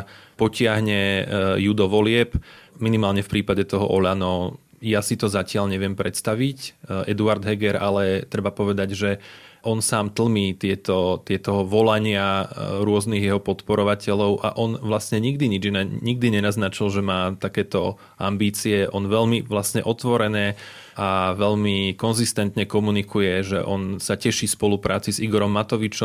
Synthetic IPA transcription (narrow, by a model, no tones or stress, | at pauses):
pɔcɪaɦɲɛjud̪ɔʋɔlɪɛpminimaːlɲɛfpɾiːpaɟɛt̪ɔɦɔ̰ʔɔʎanɔ | jasit̪ɔzacɪaʎɲɛʋɪɛmpɾɛt̪st̪aʋicɛd̪uaɾd̪ɦɛɡɛɾalɛt̪ɾɛbapɔʋɛd̪aɟʒɛʔɔnsaːmt̪l̩miːt̪ɪɛt̪ɔt̪ɪɛt̪ɔɦɔʋɔlaɲɪaɾʊɔzniɣjɛɦɔpɔt̪pɔɾɔʋacɛʎɔʊʔa̰ʔɔnʋlasɲɛɲiɡd̪iɲid͡ʒnɲiɡd̪iɲɛnaznat͡ʃilˠʒɛmaːt̪akɛːt̪ɔ | a̰mbiːt͡siɛʔɔnʋɛʎmiʋlasɲɛʔɔt̪ʋɔɾɛnɛː | ʔaʋɛʎmikɔnzist̪ɛnt̪ɲɛkɔmunikujɛʒɛ̰ʔɔnsacɛʃifspɔlupɾʔaːt͡siziɡɔɾɔmːat̪ɔʋit͡ʃɔ